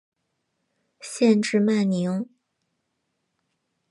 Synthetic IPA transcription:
ɕjɛ˥˧nʈ͡ʂɻ̩˥˧ma˥˩nni˧˥ŋ

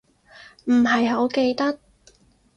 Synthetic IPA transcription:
m̩˨˩ɦɐ˨jɦo˨˥wke˧jt̪ɐ˥k̚

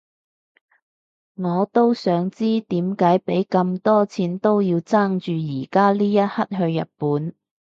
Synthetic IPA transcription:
ŋɔː˨˧t̪o˥wsœː˨˧˥ŋt͡siː˥t̪iː˨˥mkaː˨˥jpe˨˥jkɐ˧mt̪ɔː˥t͡sʰiː˨˧nt̪o˥wjiː˧wt͡saː˥ŋt͡ʃyː˨˧jiː˨˩kaː˥liː˥jɐ˥t̚hɐ˥t̚hɵ˧ɥjɐ̰˨t̚puː˨˥n

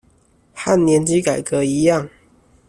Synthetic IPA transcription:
xa˥˨nljɛ˨˧˥nt͡ɕi˥ka˨˩ɪkɤ˨˦i˧˥jɑ˥˨ŋ

